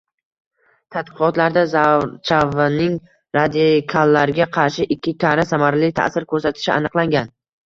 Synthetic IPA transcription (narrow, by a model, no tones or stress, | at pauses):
t̪ʰat̪̚qɨqɒt̪laɾd̪azat͡ʃʰavanɪŋ | ɾad̪ikʰalˠːaɾɪɡʲaqʰɑɾʃɪʔɪkʲʰːɪk̪ʲʰaɾasamaɾlɪt̪ʰa̰ʔsɪɾkʰɵɾsat̪ʰɪ̥ʃɪa̰nɨqlˠaŋɡʲan